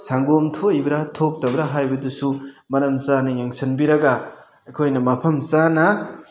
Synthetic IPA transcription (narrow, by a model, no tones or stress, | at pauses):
saŋɡomtʰoibɐɾatʰok̚tɐbɐɾaɦajbɐdusumɐɾɐmsanɐjaŋsɐnbiɾɐɡɐ | ɐjkʰojnɐmɐpʰɐmt͡ʃanɐ